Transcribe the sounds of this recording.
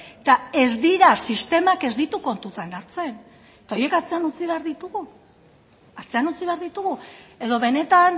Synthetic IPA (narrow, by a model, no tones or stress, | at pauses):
et̪ae̞zd̪iɾasist̪e̞make̞zd̪it̪uko̞nt̪ut̪anaɾt͡se̞n | t̪ao̞je̞kat͡se̞anut͡siβ̞e̞aɾðit̪uɣu | at͡se̞anut͡siβe̞aɾðit̪uɣue̞ðo̞βe̞ne̞t̪an